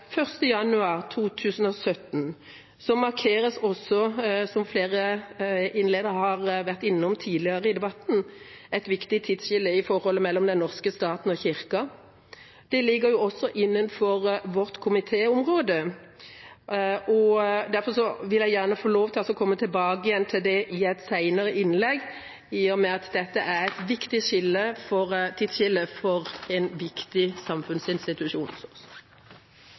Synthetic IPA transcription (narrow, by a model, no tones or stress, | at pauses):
fœʁst̪əjɑnʉɑːʁt̪ʰuːt̪ʰʉːsən̩ɔsœt̪n | sɔmɑʁkʰeːɾəsɔsːɔsɔmfleːʁə | ɪnleːd̪əɾhɑʁʋæʁt̪ɪnːəɔmt̪ʰiːd̪lɪəʁəɪd̪ɛbɑt̪n̩ɛt̪ʋɪkt̪ɪt̪ʰɪd̪sʃɪlːəɪfɔɾhɔlːəmɛlːɔmd̪ɛnɔʁskəst̪ɑːt̪n̩ɔçɪʁkɑ | d̪̥ɛlɪɡːəɾjʊɔsːɔʔɪnːənfɔɾʋɔʁt̪kʰʊmɪt̪ʰeːʊmʁoːd̪ə | ɔd̪æʁfɔʂɔʋɪlæɪjæʁnəfoːloːʋt̪ʰɪlɑsɔkʰɔmːət̪ʰɪlbɑːɡəɪjɛnt̪ʰɪld̪ɛʔɪɛɪt̪sæɪnəʁəʔɪnlɛɡ | ɪɔmɛɑt̪d̪ɛt̪ːəʔæʁæɪt̪ʋɪkt̪ɪʃɪlːəfɔʁt̪ʰɪd̪ʃɪlːəfɔʁɛnʋɪkt̪ɪsɑmfʉnsɪnst̪ɪt̪ʉʃuːnsɔs